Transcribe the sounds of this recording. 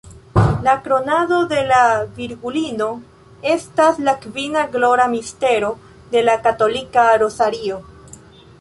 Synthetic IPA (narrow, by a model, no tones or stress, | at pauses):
lakɾo̞nado̞de̞laviɾɡulino̞ | e̞staslakvinaɡlo̞ɾamiste̞ɾo̞ | de̞lakato̞likaɾo̞saɾio̞